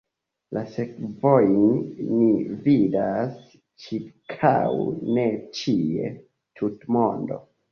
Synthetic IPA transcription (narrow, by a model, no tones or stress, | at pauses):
lʔase̞kvojnːividas | t͡ʃiɾkʰa̰wne̞t͡ʃie̞̰ | tʰutmo̞ndo̞̰